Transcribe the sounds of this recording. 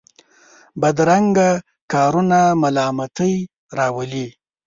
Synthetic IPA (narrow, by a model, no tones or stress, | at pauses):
bad̪ɾaŋɡa | kɑɾunamalɑmat̪əj | ɾɑwəli